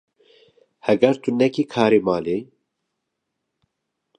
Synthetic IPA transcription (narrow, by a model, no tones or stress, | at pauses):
hɛɡɛɾt̪unɛkiːkʰaːɾeːmaːle